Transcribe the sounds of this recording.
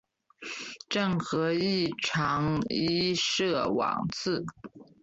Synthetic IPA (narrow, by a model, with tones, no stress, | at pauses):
ʈ͡ʂɤ˥˩ŋxɤ˧˥i˥˩ʈ͡ʂʰɑ˧˥ŋi˥ʂɤ˥˩wɑ̰˨˩ŋt͡s̩ʰ˥˩